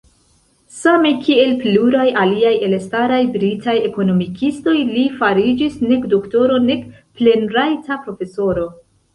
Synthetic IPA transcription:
same̞kʰie̞lpluɾajaliaje̞lestaɾajbɾitaje̞ko̞no̞mikʰisto̞jlifaɾid͡ʒisne̞kdokto̞ɾo̞ne̞kple̞nɾajtapɾo̞fe̞so̞ɾo̞

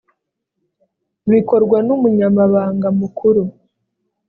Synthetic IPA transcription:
βiko̞ɾɡwanumuɲamaβaːŋɡamukʰuɾu

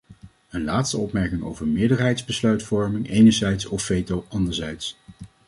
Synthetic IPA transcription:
ənlaːtstəɔpmɛɹkɪŋo̰wvəɹmɪːɹdəɹɦɛjdzbəslœɥtfɔɹmɪŋejnəɹzɛjtsɔfejtowɑndəɹzɛjts

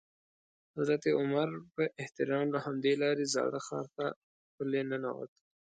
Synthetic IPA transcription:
hazɾat̪iʊmaɾpəʔɪht̪ɪɾɑmlahamd̪elɑɾezɑ̰ɽəxɑ̰ɾt̪a | xpəlenənawə̰t̪

